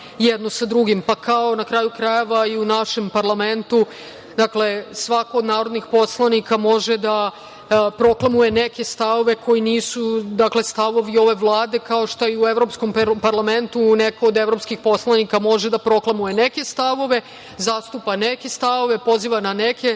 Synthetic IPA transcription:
jed̪no̞sad̪ɾuɡimpakʰao̞nakɾaːjukɾaje̞ʋaiunaʃe̞mpaɾlˠame̞nt̪u | d̪akle̞sʋako̞ːd̪naːɾod̪nixpo̞slˠanikamo̞ʒed̪a | pɾo̞klˠamuje̞neke̞st̪aʋo̞ʋe̞ko̞jiniːsud̪akle̞st̪aʋo̞ʋio̞ʋe̞ʋlˠaːd̪ekao̞ʃt̪oiueʋɾo̞psko̞mpaɾlˠame̞nt̪une̞koːd̪evɾo̞pskixpo̞slˠanikamo̞ʒed̪apɾo̞klˠamuje̞ne̞ke̞st̪aʋo̞ʋe̞ | zaːst̪upaneke̞st̪aʋo̞ʋe̞po̞ziːʋananeke̞

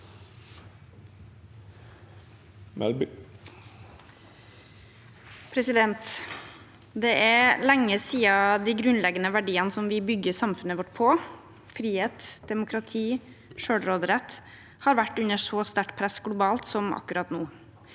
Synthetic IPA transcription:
mɛ̰ | pʰɾɛsɪd̪ɛnt̪ | d̪ɛʔæɾlæŋːəsiːɑd̪æɡɾʉnlɛɡənəʋæɖiːənəsɔmʋɪbʏɡəsɑmfʉnəʋɔʈːpʰo | fɾiːheːt̪d̪̥ɛmʊkʰɾɑt̪ʰiː | ʃøːɽɾoːd̪əɾɛt̪ | hɑːɾʋæʈːʉnəʂɔst̪æʈpʰɾæsɡɽʊbɑːlt̪sɔmɑ̰kːʉɾɑt̪nuː

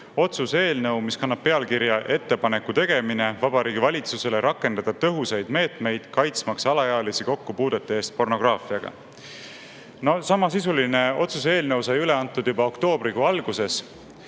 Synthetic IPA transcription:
o̞t̪suse̞ːlnɤwmiskɑnːɑb̥̚pːe̞ɑlkiɾjɑʔe̞t̪ːe̞pɑne̞kːut̪e̞ɡ̥e̞mine̞vɑbɑɾiːɡivɑlʲit̪suse̞le̞ɾʔɑkːˑe̞nd̪ɑd̪̥ɑt̪ɤ̞ɦusejd̪̥me̞ːt̪me̞jd̪̥kɑjt̪smɑksɑlɑjɑːlisiko̞kːupuːd̪̥e̞t̪ːˑee̞ːst̪̚po̞rno̞ɡ̥rɑːfiɑɡ̥ɑ̰ | no̞sɑmɑsisuline̞o̞t̪sus̬e̞ːlnɤwsɑjyle̞ɑnt̪ːˑud̪̥jubɑo̞kt̪o̞ːbɾiɡoɑlɡ̥use̞s

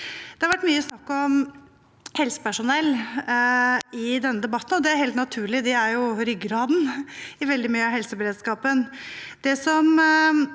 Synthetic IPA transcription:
d̪̥ɛhɑɾʋæʈːmyːəsnɑkːɔm | hɛlsə̥pæʂʊnɛlː | ɪd̪ɛnːəd̪ɛbɑt̪ːnɔd̪ɛæɾheːlt̪nɑt̪ʰʉːɭɪd̪ɪæɾjʊɾʏɡəɾɑːd̪n̩ɪʋɛld̪ɪmyːəɑɦɛlsəbɛɾeːd̪skɑːpənd̪̥ɛsɔm

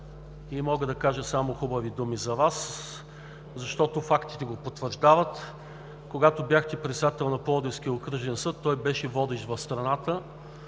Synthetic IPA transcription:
imɔɡəd̪ɐkaʒəsamoxubəvid̪umizɐvas | zɐʃt̪ɔt̪ofakt̪i̥t̪ɛɡopot̪vəɾʒd̪avət̪ | koɡat̪objaxt̪ɛpɾɛt̪sɛd̪at̪ɛlˠnɐpɔd̪ɪsk̟ijəokɾɤʒɛnsɤt̪ːɔjbɛʃɛvɔd̪ɛʃd̪vɐfst̪ɾɐnat̪ə

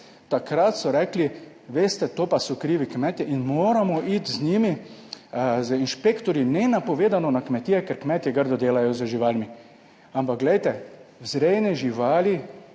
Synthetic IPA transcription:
t̪akɾat̪sɔɾɛːkli | ʋeːst̪ɛt̪oːpasɔkɾiːʋikmɛt̪iʔinmoːɾamɔʔit̪zɲimi | zəinʃpekt̪ɔɾjinɛnapɔʋeːd̪anɔnakmɛt̪iɛkɛɾkmɛt̪jɛɡəɾd̪ɔd̪eːlajɔzəʒiʋalmi | ampak̚ɡlɛjt̪ɛwzɾɛjnɛʒiʋaːli

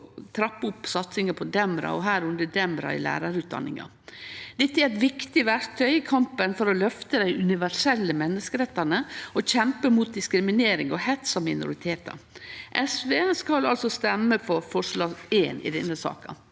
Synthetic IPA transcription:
t̪ʰɾɑpːʊpːsɑt̪sɪŋəpʰɔd̪ɛmɾɑ̰ɔɦæːɾʉnd̪əd̪ɛmɾɑ̰ɪ̰læ̰ːɾɑɾʉːt̪̚d̪ɑ̰nːɪ̰ŋɑ̰ | d̪̥ɛt̪ːæɾɛt̪ʋɪkt̪ɪʋæɾt̪ʰœʏkʰɑmpənfɔɾɔlœft̪əd̪æɪʔʉnɪʋæʂɛlːəmɛnːəskəɾɛt̪ːɑnəɔçɛmpəmuːt̪̚d̪ɪskɾɪmɪneːɾɪŋɔhɛt̪sɔmɪnʊ̰ɾɪt̪ʰeːt̪ɑ̰ʔɛsʋeːskɑlɑlsɔst̪ɛmːəfɔɾfɔʂlɑːɡeːnɪ̰d̪ɛ̰nːəsɑ̰ːkɑ̰

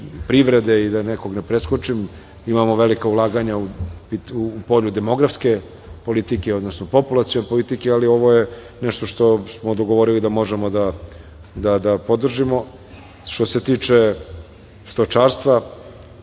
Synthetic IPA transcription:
pɾiʋɾed̪eid̪aneko̞ɡnepɾeskot͡ʃim | imamoʋe̞likaulˠaːɡaɲaupiupo̞ʎud̪e̞mo̞ɡɾafske̞ | po̞lit̪ikeod̪nosnopo̞pulˠat̪sijonepo̞lit̪ikealio̞ʋo̞je | nɛʃt̪o̞ʃt̪o̞smod̪oɡo̞ʋo̞ɾilid̪amo̞ʒemod̪a | d̪ad̪apod̪r̩ʒimo̞ | ʃt̪o̞se̞t̪iːt͡ʂe | st̪ot͡ʃaːɾst̪ʋa

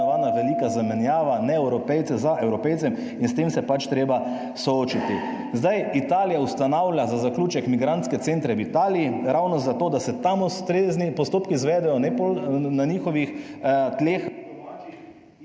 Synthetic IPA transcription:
ʋaːnaʋɛliːkazamɛnjaːʋanɛɛwɾɔpɛjt̪sɛzaʔɛwɾɔpɛjtsɛm | inst̪emsɛpat͡ʃt̪ɾeːba | sɔoːt͡ʃit̪i | zd̪ajit̪aːlijaust̪anawlʲjazazaklʲuːt͡ʃɛkmiɡɾant̪skɛt̪sent̪ɾɛwit̪aːliːɾawnɔzat̪oːd̪asɛt̪amust̪ɾeznipɔst̪oːpkizʋɛːd̪ɛjɔnɛpolnaniːxɔʋixt̪lex

